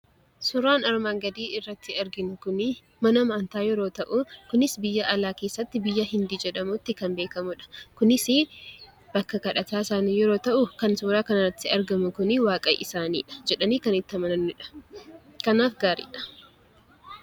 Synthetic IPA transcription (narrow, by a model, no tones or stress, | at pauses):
sʊɾaːnɐɾmaːŋɡɐd̪iːɪrːɐt̪ːɪɐɾɡɪnʊkʊnɪ | mɐnɐmaːnt̪aːjɛɾo̞ːt̪ɐʔʊkʊnɪsbɪjːɐʔɐlaːke̞ːsːɐt̪ːɪbɪjːɐɦɪnd̪iːd͡ʒɛᶑɐmʊt̪ːɪkɐnbe̞ːkɐmʊᶑɐ̥kʊnɪsɪ | b̥ɐkːɐkɐᶑɐt̪aːɪsaːniːjɛɾo̞ːt̪ɐʔʊkɐnsʊːɾaːkɐnɐrɐt̪ːɪɐɾɡɐmʊkʊnɪwaːkʼɐjʔɪsaːnḭːᶑɐ̥d͡ʒɛᶑɐniːkɐnɪt̪ːɐmɐnɐnːɪᶑɐ̥ | kɐnaːfɡaːɾḭːᶑɐ̥